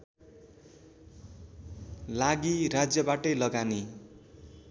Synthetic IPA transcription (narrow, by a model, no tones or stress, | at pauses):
laɡiɾad͡zjʌbaʈʌjlʌɡani